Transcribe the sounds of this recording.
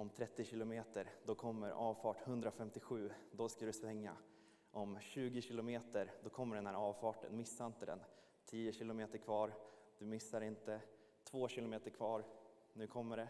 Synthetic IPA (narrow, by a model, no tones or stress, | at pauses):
ɔmt̪ʰɾɛt̪ːɪɕɪlʊmeːt̪əɾd̪ɔkʰɔmːəɾɑ̰ːvfɑːʈhɵnd̪ɾafɛmt̪ɪɧʉ̟ːd̪ɔskad̪ɵsvɛŋːa̰ | ʔɔmɕʉ̟ːɡɪɕɪlʊmeːt̪əɾd̪ɔkʰɔmːəɖɛnhæːɾɑːvfɑːʈə̰nmɪsːaɪnt̪əd̪ɛ̰n | t̪ʰiːəɕɪlʊmeːt̪əɾkʰvɑːɾd̪̥ɵmɪsːaɾɪnt̪ə | t̪ʰvoːɕɪlʊmeːt̪əɾkʰvɑːɾ | nʉ̟ːkʰɔmːəɖɛ